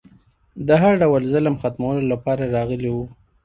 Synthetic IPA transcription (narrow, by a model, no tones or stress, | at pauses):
d̪əɦaɾɖawəlzələmxat̪mawəlolapɑɾaɾɑɣəliwu